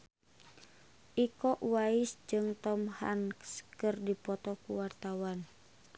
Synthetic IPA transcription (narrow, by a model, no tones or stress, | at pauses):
ʔikɔʔwaɪsd͡ʒɨŋt̪ɔmha̰nkskɨrdipɔt̪ɔkuwart̪awan